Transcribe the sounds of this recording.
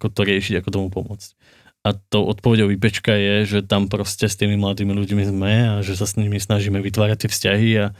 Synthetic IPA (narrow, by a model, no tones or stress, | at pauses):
akɔt̪ɔɾɪɛʃiɟakɔt̪ɔmupɔmʊɔt͡sc | at̪oʊʔɔt̪̚pɔʋɛɟɔʊʋipɛt͡ʃkajɛʒɛt̪ampɾɔscɛst̪iːmimlad̪iːmiluɟmizmɛaʒɛs̬asɲimisnaʒiːmɛʋit̪ʋaːɾac̚t̪ːɪɛfscaɦia